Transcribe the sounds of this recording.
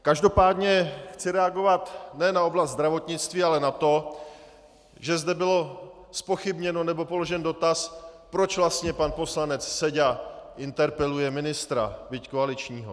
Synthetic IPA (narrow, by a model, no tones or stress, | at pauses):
kaʒdo̞paːdɲɛxt͡sɪɾɛaɡo̞vat̪nɛnao̞blast̪zd̪ɾavo̞t̪ɲɪt͡st̪viːalɛnat̪o̞ | ʒɛzdɛbɪlo̞ | spo̞xɪbɲɛno̞nɛbo̞po̞lo̞ʒɛndo̞t̪aspɾo̞t͡ʃvlast̪ɲɛpanpo̞slanɛt͡ssɛɟaʔɪnt̪ɛɾpɛlujɛmɪnɪst̪ɾa̰bɪckoalɪt͡ʃɲiːɦo̞̰